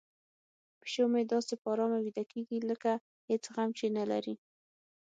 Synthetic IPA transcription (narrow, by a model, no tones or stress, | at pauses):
pɪ̥ʃomed̪ɑsepɑɾɑmawid̪akeɡiləka | het͡sɣamt͡ʃenala̰ɾi